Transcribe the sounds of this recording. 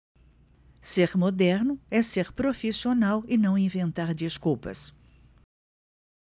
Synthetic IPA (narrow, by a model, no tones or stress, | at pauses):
seɾmod̪ɛɾnʊɛseɾpɾofisionawɪnɐ̃w̃ĩvẽnt̪aɾd͡ʒiskuwpɐ̰s